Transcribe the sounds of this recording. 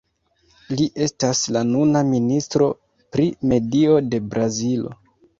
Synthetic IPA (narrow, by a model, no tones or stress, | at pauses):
liʔe̞staslanunaministɾo̞ | pɾime̞dio̞de̞bɾʔazilo̞̰